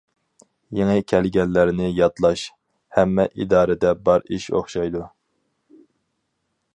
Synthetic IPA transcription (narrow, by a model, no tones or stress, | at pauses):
jeŋɪkʲʰɛlɡʲɛnːɪɾɪnɪjɑt̪lˠɑʃ | hɛmːɛʔid̪ɑːɾɪd̪ɛbɑɾiʃo̰χʃɑjd̪u